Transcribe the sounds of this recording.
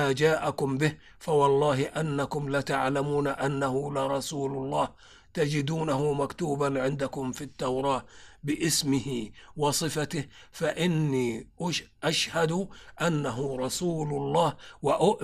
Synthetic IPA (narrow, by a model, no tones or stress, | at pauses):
ad͡ʒaːʔakʊmbɪh | fawɑlˤːɑːɦɪʔanːakʊmlɪt̪aʕlamuːnaʔanːahʊlɪɾˤɑsuːlʊlˤːɑːh | t̪ad͡ʒɪd̪uːnahʊmakt̪uːbanʕɪnd̪akʊmfit̪ːawɾˤɑːbɪʔɪsmɪhiwɪsˤɨfat̪ɪhfaʔɪnːiːʔʊʔaʃhad̪ʊʔanːaɦʊɾˤɑsuːllˤːɑːhwaʔʊʔ